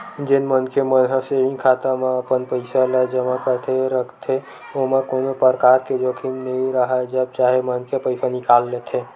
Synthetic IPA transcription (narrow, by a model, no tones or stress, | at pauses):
d͡ʒenmənkʰemənɦəseɦĩkʰat̪amaəpənpəɪsalɛd͡ʒəmãkəɾt̪ʰeɾəkʰt̪ʰe | oɦmakonopəɾkaɾked͡ʒokʰimnəĩɾəɦad͡ʒəb̚t͡ʃaɦemənkʰepəɪsanɪkalːet̪ʰe